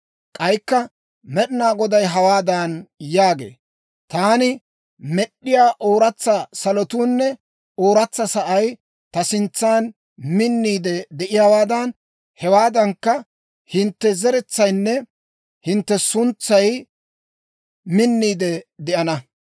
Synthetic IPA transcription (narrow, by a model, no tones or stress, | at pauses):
kʼɐjkːɐ | mɛɗɪnaːɡɔd̪ɐjɦɐwaːd̪anjaːɡḛː | t̪aːnɪ | mɛɗːɪjaːʔoːɾɐt͡sːɐsɐlɔt̪uːnːɛ | oːɾɐt͡sːɐsɐʔɐj | t̪ɐsɪnt͡sːaːn | mɪnːiːd̪ɛd̪ɛʔɪjaːwaːd̪ɐn | hɛwaːd̪ɐŋkːɐ | hɪnt̪ːɛzɛɾɛt͡sːɐjnːɛ | hɪnt̪ːɛsʊnt͡sːɐj | mɪnːiːd̪ɛd̪ɛʔɐnɐ